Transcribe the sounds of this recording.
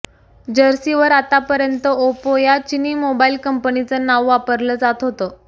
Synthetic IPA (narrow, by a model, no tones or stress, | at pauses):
d͡ʑəɾsiʋəɾat̪apəɾjənt̪əopojat͡ɕiniːmobailkəmpnit͡sənaʋʋapəɾləːd͡zat̪ɦot̪ə